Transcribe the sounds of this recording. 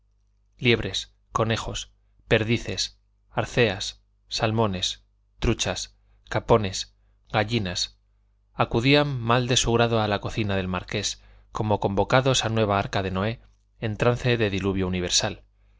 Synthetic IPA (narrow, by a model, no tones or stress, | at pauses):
lje̞βɾe̞s | ko̞ne̞xo̞s | pe̞ɾðiθe̞s | aɾθe̞asː | almõ̞ne̞s | t̪ɾut͡ʃas | kapo̞ne̞s | ɣaʎinas | akuðiamːald̪e̞suɣ̞ɾaðo̞alako̞θinaðe̞lmaɾke̞s | ko̞mo̞ko̞mbo̞kaðo̞sanwe̞β̞aaɾkaðe̞no̞e̞ | ent̪ɾanθe̞ðe̞ðiluβjo̞uniβ̞e̞ɾsal